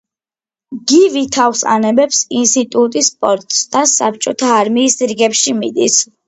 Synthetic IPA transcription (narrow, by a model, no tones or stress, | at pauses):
ɡivit̪ʰafsʼa̰nɛbɛpsinst̪ʼit̪ʼut̪ʼispʼɔɾt̪ʼsd̪asap̚t͡ʃʼɔt̪ʰaːɾmiːsɾiɡɛpʃimid̪is